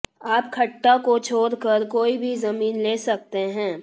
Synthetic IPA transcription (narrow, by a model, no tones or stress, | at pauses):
aːpkʰɐʈːakot͡ʃʰoːɾkəɾkoːibʱizɐmiːnleːsɐk̚t̪eɦɛ̃ː